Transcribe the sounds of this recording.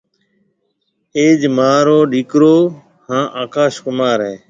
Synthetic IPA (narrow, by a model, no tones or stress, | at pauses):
eːd͡ʒmaːɾoːɗiːkɾoː | hãːʔaːkaːʃkʊmaːɾɦeː